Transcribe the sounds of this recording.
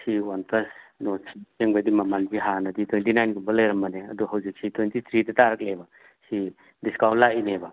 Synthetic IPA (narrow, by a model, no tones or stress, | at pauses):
siwanpɐsnɔsʰiseŋbad̪imɐmanpiɦanɐd̪itwentinajnɡumbɐlɐjɾɐmːɐneɐd̪ɔɦɐwzik̚sʰit̪ʰwentit̪ʰɾitɐtaɾɐk̚leba | si | diskawlaineba